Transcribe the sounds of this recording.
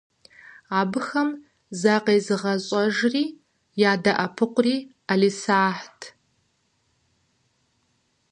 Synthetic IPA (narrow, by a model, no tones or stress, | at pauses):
aːbɨxɐm | zaqeːzɨʁɐɕʼɔʒriː | jaːdɐʔɐpʰɨqʷʊriː | ɐliːsaːħtʰ